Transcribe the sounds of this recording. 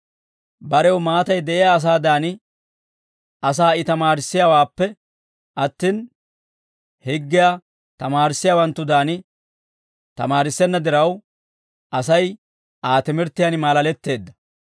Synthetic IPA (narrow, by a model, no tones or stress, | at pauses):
bɐɾɛwmaːt̪ɐjd̪ɛʔɪjaːs̬aːd̪aːnɪ | ʔɐs̬aːɪt̪ɐmaːɾɪsːɪjaːwaːpːɛ | ʔɐt̪ːiːn | hɪɡːɪjaː | t̪ɐmaːɾɪsːɪjaːwɐnt̪ːʊd̪aːnɪ | t̪ɐ̰maːɾɪsːɛnːɐd̪ɪɾɐw | ʔɐsɐj | ʔaːt̪ɪmɪɾt̪ːɪjaːnmaːlɐlɛt̪ːe̞ːd̪ːɐ̥